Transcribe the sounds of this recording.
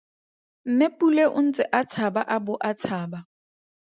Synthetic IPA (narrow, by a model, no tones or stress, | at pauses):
m̩mepuleʔʊn̩t͡sʼɪʔat͡sʰabaʔabʊʔat͡sʰaːba